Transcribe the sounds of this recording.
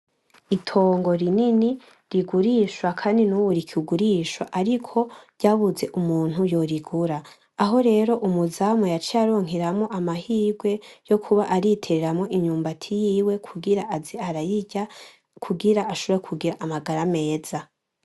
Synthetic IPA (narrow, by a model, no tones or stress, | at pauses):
itʰo̞ːŋɡo̞ɾinini | ɾiɡuɾiʃwakʰaːndinuwuɾikʰuɡuɾiːʃwaʔaɾikʰo̞ɾɟaːβuze̞ʔumuːn̥hujo̞ɾiɡuɾaː | ɦo̞ɾe̞ːɾo̞ʔumuzamojat͡ʃiaɾoŋ̥ɦiɾamŋo̞ʔamahiːɡwe̞jo̞kʰuβaʔaɾitʰe̞ɾeɾamŋo̞ʔiɲuːmbatʰijiːwe̞kɡiɾaziaɾa | kʰuɡiɾaaʃoekʰuɡiɾaʔːmaɡaɾame̞ːz̥a